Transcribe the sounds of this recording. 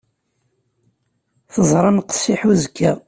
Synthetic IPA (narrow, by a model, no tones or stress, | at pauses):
θəzˤɾˤɑnqə̥sːiħuzkʰːæ